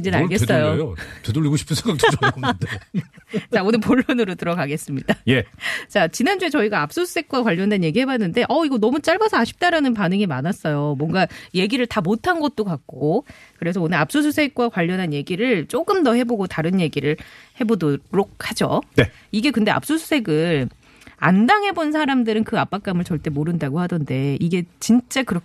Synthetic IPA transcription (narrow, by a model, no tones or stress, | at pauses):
ind͡ʑinaɡes͈ʌjootedoʎːiɡoɕʰi̥pʰɯnsʰeŋɡak̚toda | t͡ɕaonɯnpoɭːonɯɾotɯɾʌɡaɡe̞s͈ɯmɲidajet͡ɕat͡ɕinand͡ʑue̞t͡ɕʌiɡaap̚s͈osʰu̥sʰe̞k̚k͈wakwaʎːʌndenje̞ɡiɦhe̞banːɯnde̞ʔʌiɡʌnʌmut͡ɕ͈aɭbasʰʌaɕʰi̥p̚t͈aɾanɯnpanɯŋimanas͈ʌjomwʌŋɡaje̞ɡiɾɯɭtamotʰanɡʌt̚t͈okak̚k͈okɯɾe̞s̬ʰʌonɯɾap̚s͈os̬ʰusʰe̞k̚k͈wakwaʎːʌnɦanje̞ɡiɾɯɭt͡ɕ͈oɡ͈ɯmdʌhe̞boɡotaɾɯnje̞ɡiɾɯɭhe̞bodoɾok̚had͡ʑoe | iɡe̞kɯndeʔa̰p̚s͈osʰu̥sʰe̞ɡɯɭ | a̰ndaŋɦe̞bonsʰaɾamdɯɾɯnkɯap͈ak͈̚amɯɭt͡ɕʌɭt͈e̞moɾɯndaɡohadʌnde̞iɡe̞t͡ɕint͡ɕ͈akɯɾʌ